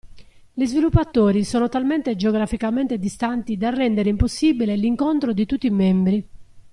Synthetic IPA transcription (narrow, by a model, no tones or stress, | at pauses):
lizvilupːat̪ːoːɾisɔːnot̪alment̪ed͡ʒeoɡɾafikament̪ed̪ist̪ant̪id̪arːɛnd̪eɾeimposːiːbileliŋkont̪ɾod̪it̪ut̪ːimɛmbɾi